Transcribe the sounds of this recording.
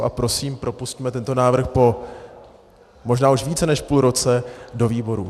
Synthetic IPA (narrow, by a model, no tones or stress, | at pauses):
ʔapɾo̞siːmpɾo̞puscmɛt̪ɛnt̪o̞naːvr̩xpo̞ | mo̞ʒnaːuʃviːt͡sɛnɛʃpuːlɾo̞t͡sɛdo̞viːbo̞ɾu